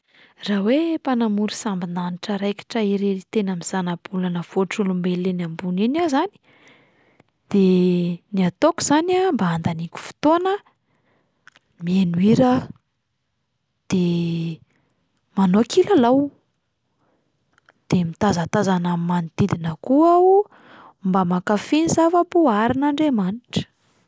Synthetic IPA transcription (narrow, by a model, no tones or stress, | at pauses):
rawepanamuɾisambinaniʈ͡ʂəɾejki̥ʈ͡ʂəiɾeit̪enamiz̥anab̥ulanəfoʈ͡ʂulumbelenambuninazani̥ | d̪̥eniat̪okuz̥anambaand̪anikʲu̥fu̥t̪onə | mieniɾə | d̪̥e | manokʰilalaw | d̪̥emit̪azat̪azanammanid̪̥id̪inəkuau | mbamakafinizavəbuaɾinaɳɖ͡ʐemaniʈ͡ʂə̥